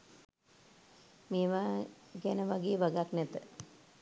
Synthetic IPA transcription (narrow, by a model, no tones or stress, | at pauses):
meːʋaːɡɛnəʋaɡeːbaɡaknɛt̪ə